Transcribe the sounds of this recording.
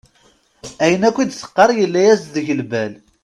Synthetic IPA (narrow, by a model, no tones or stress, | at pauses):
æjənækʷːid̪sə̥qːɑɾˤjəlːæjæsðəʝəlbæl